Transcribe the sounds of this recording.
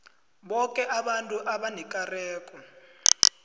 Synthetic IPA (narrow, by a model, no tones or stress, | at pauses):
ɓɔkʼɛʔaɓantʼuʔaɓanɛkʼarɛːkʼɔ